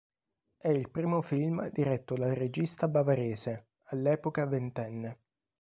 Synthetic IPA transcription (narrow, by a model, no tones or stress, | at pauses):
ɛilpɾiːmofilmd̪iɾɛt̪ːod̪ared͡ʒist̪abavaɾeːse | alːɛːpokavent̪ɛnːe